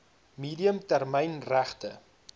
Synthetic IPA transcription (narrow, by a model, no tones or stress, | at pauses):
miːdiəmtærmɛjnræχtə